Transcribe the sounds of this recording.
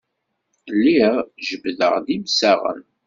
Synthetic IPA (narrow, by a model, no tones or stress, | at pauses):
lːiʁʒəbðə̰ʁðimsæʁə̰n